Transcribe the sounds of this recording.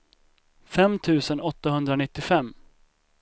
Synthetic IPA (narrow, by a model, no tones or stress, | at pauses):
fɛmt̪ʰʉ̟ːsənɔt̪ːahɵnd̪ɾanɪt̪ːɪfɛmː